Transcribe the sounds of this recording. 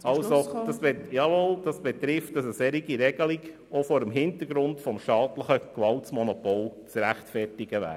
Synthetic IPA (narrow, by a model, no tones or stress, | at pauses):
ɑlsod̥ɑsbɪtjɑʋold̥ɑsb̥ɛt̪ɾɪft̚d̥ɑsəsɛɾiɡiɾɛɡ̥əliɡ | ofɔːɾəmɦɪntəɾɡɾʊntfɔmʃtɑːtləχəkʋɑltsmɔnopoːlt͡sɾæχtfɛrtiɡəʋæ̰ː